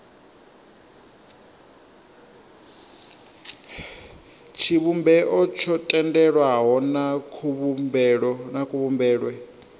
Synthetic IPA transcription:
t͡ʃʰiβumbɛʔɔt͡ʃʰɔtʼɛndɛɺwaɦɔnakʰuβbɺnakʰʼuβumbɛːɺwɛ

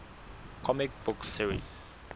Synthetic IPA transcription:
kʰɔmɪk̚bʊksiɹḭs

